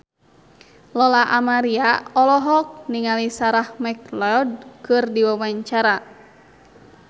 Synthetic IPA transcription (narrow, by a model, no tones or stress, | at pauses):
lɔlaʔamaɾiaɔlɔɦɔk̚niŋalisaɾahmɛklɛɔd̚kɨrdiwawaɲt͡ʃaɾa